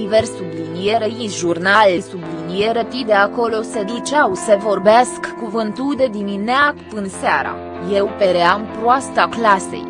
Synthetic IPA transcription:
iversublinije̞ɾeisʒurnalsublinije̞ɾepid̪eako̞lo̞sed̪ut͡ʃawsevo̞rbeaskːuvɨnt̪ud̪e̞d̪imineakpɨnseaɾa̰ | je̞wpe̞ɾeampɾoast̪aklase̞̰j

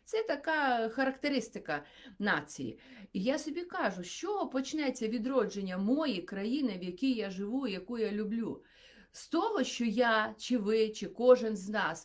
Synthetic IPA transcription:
t̪sɛt̪ɐkɑxɐɾɐkt̪eɾɪst̪ɪkɐ | nɑt͡sʲḭjḭijasɔbʲikɑʒʊʃt͡ʃɔpɔt͡ʃnɛt͡sʲːɐʋʲid̪ɾɔd͡ʒenʲːɐmɔjikɾɐjinɪʋjɐkʲijjaʒɪʋujɐkujalʲʊblʲu | st̪ɔɦɔʃt͡ʃɔjat͡ʃɪʋɪt͡ʃɪkɔʒɪnznɑs

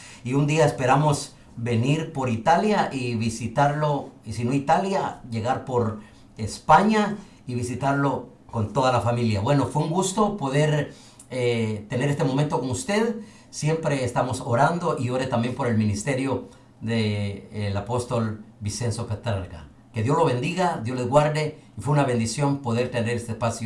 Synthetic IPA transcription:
iund̪iaespe̞ɾamo̞s | be̞niɾpo̞ɾit̪aljaʔiβisit̪aɾloisino̞it̪aljaʝe̞ɣaɾpo̞ɾ | espaɲa | iβisit̪aɾlo̞ | ko̞nt̪o̞ðalafamiljaβwe̞no̞fweuŋɡust̪o̞po̞ðe̞ɾ | et̪e̞ne̞ɾest̪emo̞ment̪oko̞nust̪e̞ð | sje̞mpɾe̞ːst̪amo̞soɾand̪o̞ʔio̞ɾe̞t̪ambje̞mpo̞ɾe̞lmĩnist̪e̞ɾjo | d̪eːlapo̞st̪o̞lbise̞nso̞pet̪aɾka̰ | keðjo̞slo̞βe̞nd̪iɣaðjo̞slezɣwaɾd̪e | ifweunaβe̞nd̪isjo̞npo̞ðe̞ɾt̪eneɾest̪espasjo

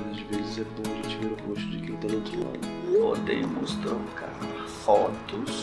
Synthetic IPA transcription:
nɐzvezɪzɛbõw̃ɐʒẽt͡ʃivɛɾʊɡoʃt̪ʊd͡ʒɪkilt̪anowt̪ɾʊla̰d̪ʊod̪ḛ̃mʊst̪ɾokaɾ | fɔt̪ʊs

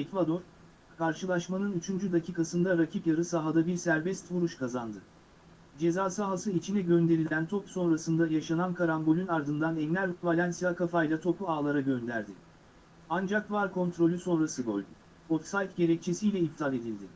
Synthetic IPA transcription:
ecvad̪o̞ɾ | kʰaɾʃɯlˠaʃmanɯnyt͡ʃʰynd͡ʒyd̪acʰiːkasɯnd̪aɾacʰipjaɾɯsaɦad̪abiɾsæɾbɛst̪vuɾuʃkʰazand̪ɯ | d͡ʒe̞zaːsaɦasɯit͡ʃʰinɛɟø̞nd̪e̞ɾilʲænt̪ʰo̞pu̥so̞nɾasɯnd̪ajaʃanankʰaɾanbo̞lʲynaɾd̪ɯnd̪anɛnlʲæɾvalʲansijakʰafajlˠat̪ʰo̞pʰuaːlˠaɾaɟø̞nd̪æ̰ɾd̪ɪ | and͡ʒakvaɾkʰo̞nt̪ɾo̞lʲyso̞nɾasɯbo̰lʲd̪ʊ | ot̪sajt̪ɟe̞ɾɛc̚t͡ʃʰe̞sijlʲɛip̚t̪ʰalʲe̞d̪ilʲd̪ɪ

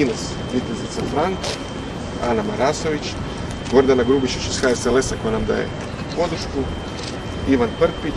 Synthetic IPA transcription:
inas | ʋit̪ezit̪safɾaŋka | a̰namaɾaso̞ʋit͡ʃ | ɡo̞ɾd̪anaɡɾuːbiʃit͡ʃisxaesele̞sako̞janamd̪a̰ːjḛ | po̞d̪ɾʃku | iʋanprɾpi

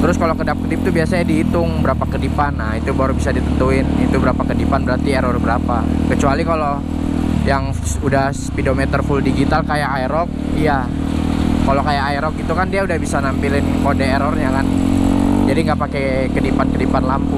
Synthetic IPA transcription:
t̪əɾʊskalokədap̚kədɪp̚t̪ubiasaɲadiːt̪ʊŋbəɾapakədipanːahit̪ubaɾbisadit̪ənt̪uɪnit̪ubəɾapakədipanbəɾart̪ieɾɔrbəɾapakət͡ʃualikalo | jaŋ | sudahspidomɛt̪ərfuldiɡit̪alkajaʔaiɾɔk̚ | ija | kalokajakajɾɔk̚it̪ukandiaudahbisanampilɪnkodɛːɾɔrɲakan | d͡ʒadiŋɡaʔpake | kədipankədipanlampu

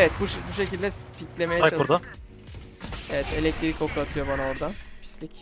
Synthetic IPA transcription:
evɛt̪̚buʃbuʃe̞cilʲd̪ɛfilʲclʲe̞me̞jɛat͡ʃauɾd̪a | evɛt̪e̞lʲɛc̚t̪ʰɾiɾiko̞k̪at̪ʰɯjo̞banaoɾd̪anpʰi̥slʲic

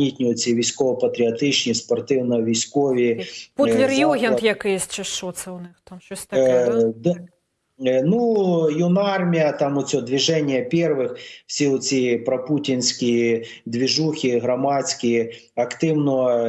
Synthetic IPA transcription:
itʲnʲiɔt͡sʲiʋʲijsʲkɔʋɔpɐt̪ɾʲɪɐt̪ɪt͡ʃnʲispɔrt̪ɪwnɔʋʲijsʲkɔʋʲipulʲɪrjuɦʲɛnjɐkɪjsʲt͡ʃɐɔt̪sɛwnɪxt̪amʃɔsʲt̪d̪ | nujunɑrmʲijɐt̪ɑmɔt͡sʲɔd̪ʋʲiʒɛnʲːjɐpʲɛrʋɪxwsʲiɔt͡sʲipɾɐputʲinsʲkʲi | d̪ʋʲiʒuxʲiɦɾɐmɑt͡sʲkʲi | ɐkt̪ɪwnɔ

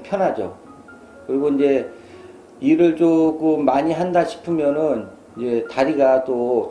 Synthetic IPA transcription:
pʰjʌnɦad͡ʑo̰ | kɯɾiɡoind͡ʑe̞ | iɾɯɭt͡ɕokɯmːaɲiɦandaɕʰi̥pʰɯmjʌnɯn | ind͡ʑe̞taɾiɡat͈o

